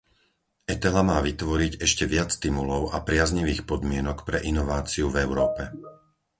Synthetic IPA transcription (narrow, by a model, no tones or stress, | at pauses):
ɛt̪ɛlamaːʋit̪ʋɔɾiɟɛʃcɛʋɪat͡sːt̪imulɔʊapɾɪazɲiʋiːxpɔd̪mɪɛnɔkpɾɛʔinɔʋaːt͡siuvɛʊɾɔːpɛ